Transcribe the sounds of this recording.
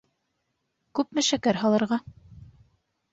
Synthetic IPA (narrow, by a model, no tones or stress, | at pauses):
kʉp̚mɘʃækæɾɦɑlˠɤ̆ɾʁɑ